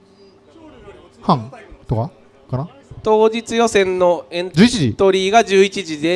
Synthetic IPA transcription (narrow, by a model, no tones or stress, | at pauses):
hãŋt̪oka | kana | t̪o̞ːd͡ʑit͡sɨjo̞sẽ̞nːo̞ẽ̞nt̪d͡ʑɨːit͡ɕiʑit̪o̞ɾʲiːɡaʑɨːit͡ɕiʑid̪e̞